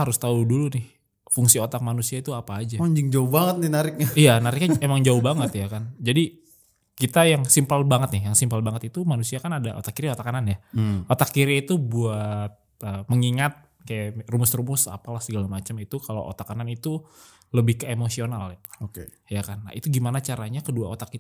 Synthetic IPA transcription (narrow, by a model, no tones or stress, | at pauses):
haɾʊst̪audulunɪh | fuŋsiot̪ak̚manusiait̪uapaːd͡ʒaaɲd͡ʒɪŋd͡ʒaʊhbaŋət̪̚nɪnaɾɪk̚ɲaijanaɾɪk̚ɲaemaŋd͡ʒaʊhbaŋət̪jakand͡ʒadi | kit̪ajaŋsimpəlbaŋət̪nɪhjaŋsimpəlbaŋət̪it̪umanusiakanada̰ʔo̰t̪akiɾiot̪akananjaot̪akːiɾiːt̪ubuat̪̚əməŋiŋat̪̚ | kajarumʊsrumʊsa̰palahsəɡalamat͡ʃəmit̪ukalo̰wʔo̰t̪akananit̪u | ləbɪhkemosionalokḛ | jakanːa̰ʔit̪uɡimanat͡ʃaɾaɲakəduaot̪akːi